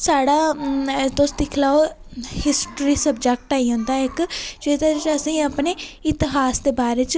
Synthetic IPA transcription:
saːɽaːt̪ʊsd̪ɪkʰlaːo | hɪsʈɾiːsəbd͡ʒɛk̚ʈaːiːɦʊ̃nd̪aːɪkd͡ʒeːd̪aːt͡ʃəsĩːəpneːɪt̪ɪɦaːsd̪eːbaːɾeːt͡ʃ

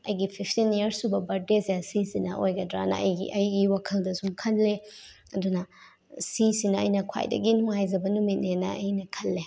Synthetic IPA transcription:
ɐjɡipʰipʰtiniɐɾsubɐbɐɾ̚desjasisinɐʔojɡɐdɾa̰nɐ̰ɐ̰jḭʔɐjɡiwakʰɐldɐsumkʰɐlːe | ɐdunɐ | sisinɐɐ̰jnɐkʰwa̰jdɐ̰ɡinuŋhajzɐbɐnumit̚nenɐɐjnɐkʰɐlːe

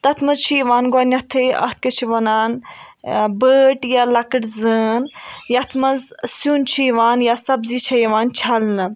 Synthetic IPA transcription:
t̪ɐt̪ʰmɐzt͡ʃʰiʋaːnɡoːnʲɐt̪ʰeʔɐ̰ht̪̚ʰkɐt͡ʃʰiʋɐnaːn | bəːʈjalɐkəʈzəːnjɐt̪ʰmɐzsuːnt͡ʃʰiːʋaːnjasɐbziːt͡ʃʰɐjʋaːnt͡ʃʰɐlnɨ

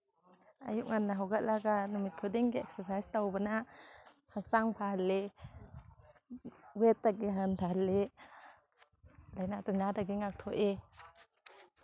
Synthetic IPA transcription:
a̰juʔ̚ŋanːaɦawɡatlaɡanumit̪̚kʰud̪iŋɡeɛk̚səsajst̪awbəna | hʰak̚saŋpʰahlːe | wɛt̪̚ːakːiɦanp̪ʰale | lajnat̪unad̪aɡiŋak̚t̪ʰoʔe

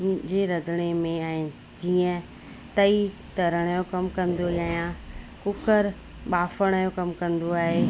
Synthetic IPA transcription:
d͡ʑeɾɐd̪ʱəɽ̃emẽɛ̃ː | d͡ʑiːə̃ | t̪ɐi | t̪ɐɾəɽ̃jokɐmkɐ̃nd̪oʄaːjã | kʊkəɾ | ɓaːfəɽ̃əjõkɐmkɐ̃nd̪oaːɦe

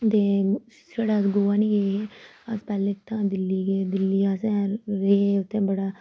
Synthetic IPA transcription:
t̪eː | seːɽaːsɡoːaːnĩːɡeːɦeːəspɛːlẽt̪ãːd̪ɪlːiːɡeːd̪ɪlːiːasɛ̃ːɾeːʊt̪ʰːẽːbəɽaː

